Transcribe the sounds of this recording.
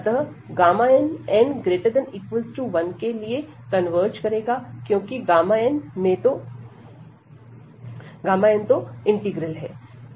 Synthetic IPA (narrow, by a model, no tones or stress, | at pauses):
ɐt̪əɦ | ɡaːmaːɛnɛ̃nɡɾeːʈəɾd̪ɛ̃niːkʋəlzʈuʋɐnkelie | kɐnʋəːɾt͡ʃkɐɾeːɡakjõːkiɡaːmaenmẽt̪o | ɡaːmaːẽnt̪oɪ̃ɳʈɪɡɾəlɦɛː